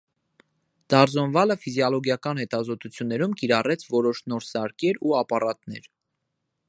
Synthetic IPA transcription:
d̪̥ɑɾzɔnvɑləfizjɑlɔɡjɑkɑn̪hɛt̪ɑzɔt̪ut͡sʰjunːɛɾumkiɾɑrɛt͡sʰvɔɾɔʃnɔɾsɑɾkɛɾuɑpɑrɑt̪nɛ̰ɾ

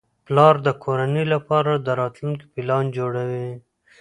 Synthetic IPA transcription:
plɑɾd̪əkʰoɾanəlapɑɾad̪əɾɑt̪lunki̥pilɑnd͡ʒoɽawi

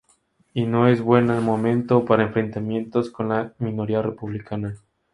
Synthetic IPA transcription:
ino̞e̞zβwe̞namomẽ̞nt̪opaɾaeɱfɾe̞nt̪amje̞nt̪o̞sko̞nlamĩno̞ɾiare̞puβlikana

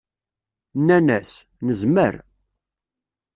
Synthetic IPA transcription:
nːænæs | nəzmə̰ɾ

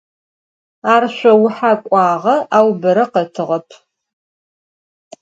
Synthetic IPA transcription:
aːrɕʷɐwʊħakʷʼɑːʁɐʔaːwbɐɾɐqɐtʰɨʁɐpʰ

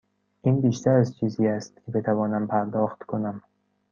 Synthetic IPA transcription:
ʔinbiːʃt̪ʰæɾæzt͡ʃʰiːziːæst̪̚kʰʲebe̞t̪ʰævɒːnæmpʰæɾd̪ɒːxt̪kʰonæm

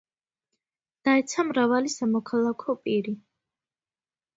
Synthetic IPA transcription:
d̪̥aɛt̪sʰamɾavalisamɔkʰalˠakʰɔpʼiɾi

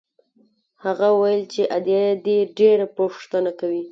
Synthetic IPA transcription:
haɣawajəlt͡ʃeʔad̪jajed̪eɖeɾapoʂt̪ənakawi

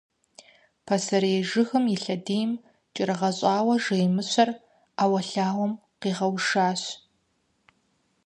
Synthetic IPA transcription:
pʰɐsɐɾeːʒɨxɨmjɪɬɐdeːjm | t͡ʃʼɪɾɨʁɐɕʼɑːwɐʒejmɨɕʷɐr | aːwɐɬaːwɔm | qiːʁɐwʂaːɕ

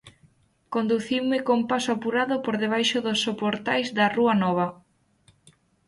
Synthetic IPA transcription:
kond̪uθiwmɪkompasʊapuɾaðʊpoɾðeβ̞ajʃʊðʊsːopoɾt̪ajzðɐruɐnɔβ̞ɐ

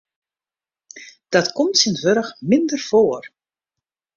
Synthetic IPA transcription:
d̥ɑtkɔmtsɪntʋøɾəxmɪndərv̥oːər

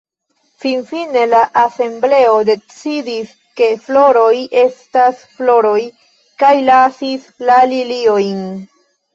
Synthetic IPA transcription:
finfine̞laʔase̞mble̞o̞de̞t͡sidis | ke̞flo̞ɾo̞je̞stasflo̞ɾo̞j | kajlasislalilio̞jn

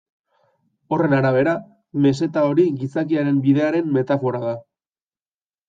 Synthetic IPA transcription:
o̞re̞naɾaβ̞e̞ɾa | me̞s̬e̞t̪ao̞ɾiɣisakiaɾe̞mbiðe̞aɾe̞mme̞t̪afo̞ɾaða

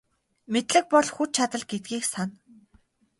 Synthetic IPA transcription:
met̪ɮɘ̆k̚pɔɮxut͡ɕt͡ɕʰat̪ə̆ɮɡet̪̚ɡʲiːksan

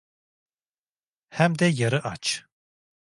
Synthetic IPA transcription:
hæmd̪ɛjaɾɯʔat͡ʃ

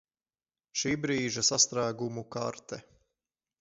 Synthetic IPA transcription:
ʃiːbɾiːʒɐsast̪ɾaːɡumuka̰ɾt̪ɛ

